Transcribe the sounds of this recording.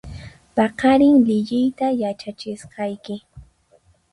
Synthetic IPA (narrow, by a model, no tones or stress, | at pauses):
pɑqɑɾɪŋlɪʎɪjt̪ajat͡ʃat͡ʃɪsqɑjkɪ